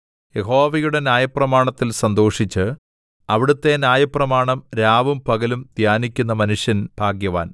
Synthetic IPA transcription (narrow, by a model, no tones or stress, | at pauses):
jeɦo̞ːʋɐjuɽe̞nʲjaːjɐprɐmaːɳɐt̪ːilsɐnd̪o̞ːʂit͡ɕːɨ | ɐʋiɽut̪ːe̞naːjɐprɐmaːɳɐmɾaːʋumpɐɣɐlumd̪̥ʱjaːnikʲːunːɐmɐnuʂjɐnb̥ʱaːɡjɐʋaːn